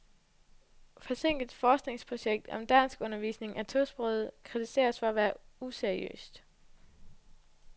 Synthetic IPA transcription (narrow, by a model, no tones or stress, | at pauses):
fɒ̽se̝ŋ̰ɡ̥ð̩ˠfɒːsɡ̥ne̝ŋspʰʁo̝ɕeɡ̥̚d̥ɒ̽md̥æn̰sɡ̥ɔ̽nɐʋḭːsne̝ŋʔæt͡sʰosb̥ʁɔːð̩ˠkʰʁit͡sʰise̝̰ːɐsfɒ̽æʋæːɐuseɐʁiø̰ːsd̥